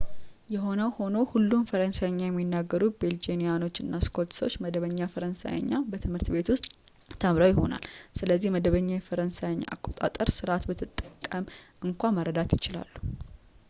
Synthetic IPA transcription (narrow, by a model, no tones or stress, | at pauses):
jɛɦo̞nəwho̞nowhulːunfəɾənsajɲːajɛmːinːaɡːəɾut̪̚beld͡ʒenijano̞t͡ʃːɨnːaskʰo̞lt̪sot͡ʃːməd̪əβəɲːafəɾənsa̰jə̰ɲːabət̪ʰɨmhɨɾt̪be̞t̪wʊst̪ʼ | t̪ʰːəmɾowjɪɦo̞na̰lsɨləzːihməd̪əβəɲːajɛfəɾənsajəɲːa̰ʔa̰kʼo̞t̪ʼa̰t̪ʼəɾsɨɾat̪bət̪ʰɨt̪ʼːə̥kʼːəmʔɨŋkʷaməɾəd̪at̪jɪt͡ʃɪla̰lːu